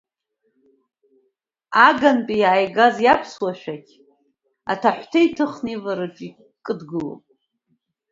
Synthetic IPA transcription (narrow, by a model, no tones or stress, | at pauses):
aɡanpʼijaːjɡazjapʰswaʃᶣakʲʰ | a̰tʰaħʷtʰeitʰɨχnivaɾɨʈ͡ʂʼi | kʼɨdɡɨlo̰pʼ